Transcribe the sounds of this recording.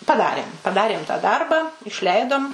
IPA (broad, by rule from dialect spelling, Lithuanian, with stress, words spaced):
pɐˈdɑːrʲeːm pɐˈdɑːrʲeːm tɐ ˈdɐrbɑː ɪʃʲˈlʲɛɪdoːm